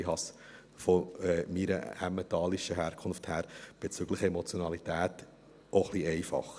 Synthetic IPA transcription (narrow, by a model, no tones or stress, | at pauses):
iɦɑs | fɔɛːmiɾə̰æ̰mət̪ɑːliʃəɦæːɾkʰʊnfthæːɾb̥et͡syɡləχɛmɔt͡sjɔnɑlit̪æːt | ʔoχliɛɪfɑ̰χ